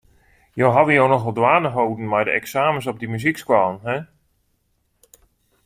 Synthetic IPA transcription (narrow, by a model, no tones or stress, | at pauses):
jowɦadəjownɔxɔlˠdwaːnəɦowdn̩mɛjdəʔɛksaːməs̬ɔp̚dəmyzikskwɔlˠənɦɛ